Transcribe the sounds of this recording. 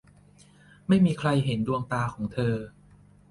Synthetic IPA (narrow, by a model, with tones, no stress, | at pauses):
ma˥˩jmiː˧kʰɾa˧jɦe˩˦ndu˧əŋt̪aː˧kʰɔː˩˦ŋt̪ʰɤː˧